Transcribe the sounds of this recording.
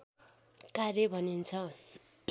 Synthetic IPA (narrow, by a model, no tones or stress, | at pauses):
kaɾebʱʌnint͡sʰʌ